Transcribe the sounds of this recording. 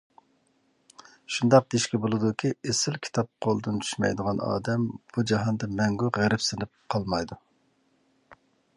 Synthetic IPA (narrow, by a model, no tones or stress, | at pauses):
ʃund̪ɑq̚d̪iʃkʲɛbolˠɨd̪ukʲʰiesɪlkʲʰi̥t̪ʰɑp̚qʰolˠɨd̪ɨnt͡ʃ̪ʰy̥ʃmɛ̰jd̪əʁɑnɑ̰ːd̪ɛmb̥ud͡ʒɑɦɑnd̪ɨmɛŋɡʲuʁæɾɪpsɪnɪp̚qʰɑlˠmɑjd̪u